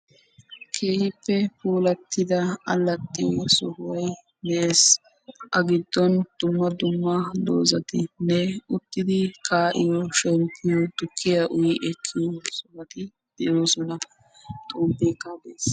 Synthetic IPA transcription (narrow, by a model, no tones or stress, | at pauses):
kʰe̞ːhɪpːɛpuːlɐt̪ːɪd̪ɐɐ̰lːɐt̪ʼːɪjɔsɔhʊwɐj | nɛʔe̞ːs | ʔɐɡɪd̪ːɔnd̪̥ʊmːɐd̪ʊmːɐd̪o̰ːzɐt̪ɪnɛʊt̪ːɪd̪ɪkʰaːʔɪjɔʃɛmpʰːɪjɔt̪ʊkʰːɪjaʔʊjɪʔɛkʰːɪjɔsɔhɐt̪ɪ | d̪̥ɛjoːsɔnɐ | t̪ʼuːmbeːkːab̪eːs